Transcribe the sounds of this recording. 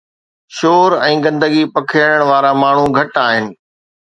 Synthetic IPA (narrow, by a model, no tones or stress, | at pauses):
ʃoːɾɛ̃ːɡɐ̃nd̪əɡipɐkʰɪəɽ̃əɽ̃ʋaːɾamaːɳ̤uɡʱɐʈaːɦɪnɪ̆